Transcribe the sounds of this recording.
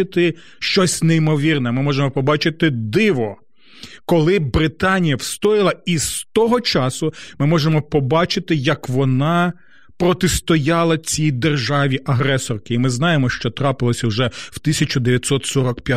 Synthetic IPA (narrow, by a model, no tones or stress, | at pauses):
ɪt̪ɪ | ʃt͡ʃɔsʲneimɔʋʲirnɛmɪmɔʒemɔpɔbɑt͡ʃɪt̪ɪd̪ɪʋɔ | kɔlˠɪbɾɪt̪ɑnʲijɐwst̪ɔjɪlˠɐist̪ɔɦɔt͡ʃɑsʊmɪmɔʒemɔpɔbɑt͡ʃɪt̪ɪjɐkʋɔnɑ | pɾɔt̪ɪst̪ɔjɑlˠɐt͡sʲijd̪erʒɑʋʲiʔɐɦɾɛsɔrkɪimɪznɑjemɔʃt͡ʃɔt̪ɾɑpɪlˠɔsʲɐwʒɛw̥t̪ɪsʲɐt͡ʃʊd̪eʋʲjɐt̪ʲsɔt̪sɔɾɔkpʲja